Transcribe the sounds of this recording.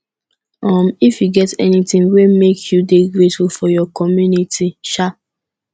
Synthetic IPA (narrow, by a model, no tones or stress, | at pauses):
ɔmifjuɡɛtɛnitĩnwemekʰjudeɡɹetfulfɔjɔkɔmjunitʰiʃa